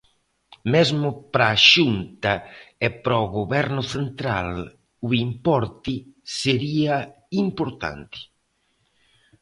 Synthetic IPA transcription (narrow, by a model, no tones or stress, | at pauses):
mezmʊpɾaːʃunt̪aepɾɔɣoβɛɾnʊθent̪ɾal | uimpɔɾt̪ɪseɾia | impoɾt̪a̰nt̪ɪ̥